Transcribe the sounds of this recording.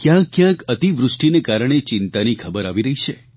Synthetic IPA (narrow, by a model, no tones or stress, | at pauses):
kjãkːjãkət̪iʋɾʊʂʈinekaɾəɳ̃et͡ʃɪnt̪anikʰəbəɾaʋiɾəɦit͡ʃʰe